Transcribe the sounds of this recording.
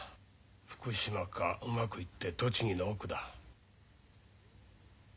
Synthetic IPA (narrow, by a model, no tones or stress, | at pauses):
ɸɯ̟̥kɯ̟ɕimakʰaʔɯmakɯ̟it̪ːe̞t̪o̞t͡ɕiɲ̟inoːkɯ̟d̪a